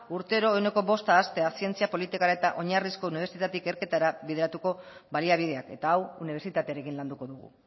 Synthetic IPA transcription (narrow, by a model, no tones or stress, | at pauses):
uɾt̪e̞oɾo̞ene̞ko̞βo̞st̪aːst̪e̞asie̞nt͡siapo̞lit̪ikaɾaet̪aʔo̞ɲarisko̞uniβe̞ɾsit̪at̪ike̞ɾke̞t̪aɾaβiðeɾat̪uko̞βaliaβ̞ið̞e̞ake̞t̪aːwuniβ̞e̞ɾsit̪at̪eaɾe̞kinland̪uko̞ðuɣ̞ṵ